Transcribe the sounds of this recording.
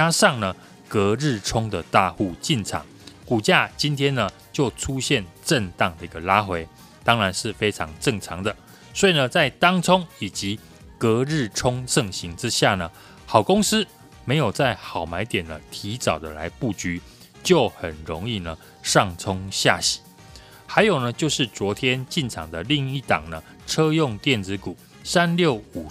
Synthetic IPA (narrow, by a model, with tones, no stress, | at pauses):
a˥ʂɑ˥˩ŋnə˩ | kɤ˧˥˦ɻɻ̩˥˩ʈ͡ʂʰʊ˥ŋd̪ə˨t̪a˥˧xu˥˧t͡ɕi˥˩nʈ͡ʂʰɑ̰˨˩˦ŋku˨˩t͡ɕja˥˩t͡ɕi˦nt̪ʰjɛ˥nnə˨ | t͡ɕjo˥˩ʊʈ͡ʂʰu˦ɕjɛ˥˨nʈ͡ʂə˥˧ŋt̪ɑ˥˩ŋd̪ə˩˨i˥˩ɡə˨la˦xwe˧˥ɪ | t̪ɑ˥ŋɻa˧˦nʂɻ̩˥˩fe˥ɪʈ͡ʂʰɑ˧˥ŋʈ͡ʂə˥˩ŋʈ͡ʂʰɑ˨˥ŋd̪ə˧˨ | swɔ˧˥i˨nə˨t͡sa˥˩ɪt̪ɑ˥ŋt͡sʰʊ˥ŋi˨˩t͡ɕi˨˦ | kə˨˧˥ɻɻ̩˥˩ʈ͡ʂʰʊ˥ŋʂɤ˥˩ŋɕi˨˥ŋʈ͡ʂɻ̩˦ɕja˥˩nə˩ | xɑ˨˩ʊkʊ˥ŋs̩˥ | me˧˥ɪjo˨˩ʊt͡sa˥˩ɪxɑ˨˩ʊma˧˥ɪt̪jɛ˨˩nlə˦t̪ʰi˧˥t͡sɑ˨˩ʊd̪ə̰˦la̰˧˦ɪpu˥˩t͡ɕy˧˥ | t͡ɕjo˥˩ʊxə˨˩nɻo˧˦ŋi˥˩nə˩ | ʂɑ˥˨ŋt͡sʰʊ˥ŋɕja˥˩ɕi̥˨˦ | ha˧˥ɪjo˨˩nə˦t͡ɕjo˥˧ʊʂɻ̩˥˩t͡swɔ˧˥t̪ʰjɛ˦nt͡ɕi˥˩nʈ͡ʂʰɑ̰˨˩ŋd̪ə˦li˥˧ŋi˥˩t̪ɑ̰˨˩ŋnə˦ | ʈ͡ʂʰɤ˦jʊ˥˧ŋt̪jɛ˥˩nt͡sɹɻ̩˧˥ku˨˩˦ | sa˦˥nljo˥˨˩ʊu˨˩